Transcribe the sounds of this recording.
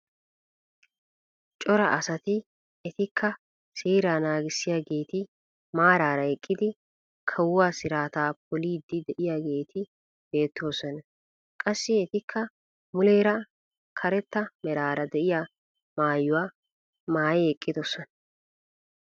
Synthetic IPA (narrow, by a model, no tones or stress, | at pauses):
t͡ʃʼɔɾɐʔɐsɐt̪ɪ | ɛt̪ɪkʰːɐ | seːɾaːnaːɡɪsːɪjaːɡe̞ːt̪ɪ | maːɾaːɾɐɛkʼːɪd̪ɪ | kʰɐwʊwaːsɪɾaːt̪aːpʰɔliːd̪ːɪd̪ɛʔɪjaɡe̞ːt̪ʰɪ | be̞ːt̪ːo̞ːsɔnɐ | kʼɐsːɪɛt̪ɪkʰːɐ | mʊleːɾɐ | kʰɐɾɛt̪ːɐmɛɾaːɾɐd̪ɛʔɪjaː | maːjːʊwaː | maːjɛɛkʼːɪd̪ɔsɔn